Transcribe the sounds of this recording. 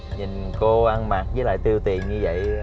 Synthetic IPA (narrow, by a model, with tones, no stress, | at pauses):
ɲi˨˩nko˧ʔa˧nmaː˨˩t̚zəː˨˦la̰ː˧˨jt̪i˧əwt̪i˨˩ənɲɨ˧və̰˧˨j